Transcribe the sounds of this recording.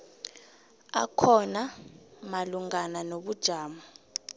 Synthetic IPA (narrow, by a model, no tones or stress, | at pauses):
a̰kʰɔnamaluŋɡananoɓud̥ʒ̥ʱaːma